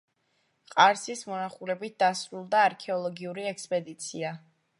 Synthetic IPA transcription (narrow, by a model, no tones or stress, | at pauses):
qʼaɾsismɔnaχuɾɛbit̪̚d̪̥asɾulˠd̪aːɾkʰɛɔlˠɔɡiuɾiɛkspʼɛd̪it̪sʰia